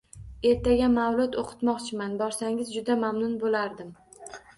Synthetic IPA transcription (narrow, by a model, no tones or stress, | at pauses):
e̞ɾt̪ʰaɡʲamawlˠʊt̪oqʰɨ̥t̪mɒqt͡ʃʰɪmanbɒɾsaŋɪzd͡ʒʊd̪amamnʊnbolaɾd̪ɪm